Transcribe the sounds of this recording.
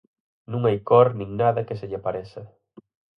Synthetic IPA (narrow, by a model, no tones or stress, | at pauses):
nũŋajkɔɾnĩŋnaðɐkeseʎɪapaɾesɐ